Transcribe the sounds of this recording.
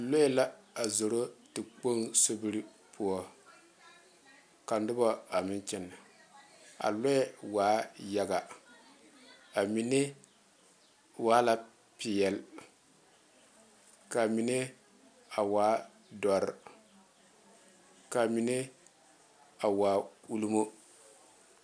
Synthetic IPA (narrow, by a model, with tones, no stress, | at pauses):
lo˦ɛ˦la˦a˨zo˨ɾo˦tɨ˨k͡po˦ŋso˦bi˦ɾi˦ | pʰu˦ɔ˦ | ka˨n˦dʊ˦bɔ˦a˨mɪ˦n˦t͡ʃɛ˦nːa˨ | a̰˨lɔ˦ɛ˦waː˨˦ja˦ɡa˨ | a˨mi˨ne˦ | waː˨˦la˦ | pi˨jɛ˨l | ka˨mi˨ne˦ | a˨waː˨˦ | dɔ˨ɾ | ka˨mi˨ne˦ | a˨waː˨˦u˦lu˦mo˦